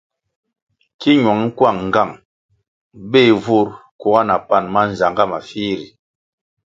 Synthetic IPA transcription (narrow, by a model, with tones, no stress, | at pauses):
ki˦ɲ˨ɔ˨ŋ˦ŋ̩˦kwa˦˨ŋ̩ː˨ɡa˦˨ŋ | be˦˨vu˦ɾku˨˦ɡa˦na˨pa˦˨nma˦n̩˨za˨ŋɡa˦˨ma˨fiː˦ɾi˨